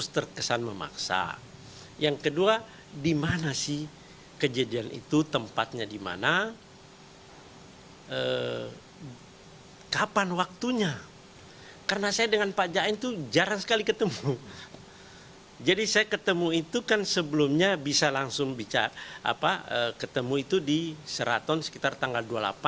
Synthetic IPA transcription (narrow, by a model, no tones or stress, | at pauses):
st̪ərkəsanməma̰ksa̰ | jaŋkədua | dimanasɪh | kəd͡ʒadianʔḭt̪ut̪əmpat̪̚ɲadima̰na | ʔə | kapanwak̚t̪uɲa | karənasajadəŋanpad͡ʒaint̪ud͡ʒaɾansə̥kalikət̪əmu | d͡ʒadisajakət̪əmuit̪ukansəbəlumɲabisalaŋsʊŋbit͡ʃa̰a̰paəkət̪əmuit̪udisəɾa̰t̪ɔnsə̥kit̪art̪aŋɡalduala̰pa